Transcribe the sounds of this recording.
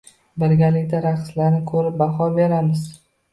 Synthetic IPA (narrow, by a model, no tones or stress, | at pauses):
bɪɾɡʲalɪkʲd̪aɾaqslaɾnɪkʰɵɾɪp̚baχɒbeɾamɪz